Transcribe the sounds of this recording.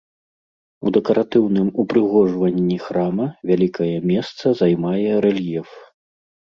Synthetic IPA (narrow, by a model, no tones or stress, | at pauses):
ud̪ɛkɐɾʔat̪ɨwnɨmupɾɨɣɔʐvɐnʲːixɾamɐvʲalʲikɐjɛmʲɛst̪sɐzajmajɛɾɛlʲjɛf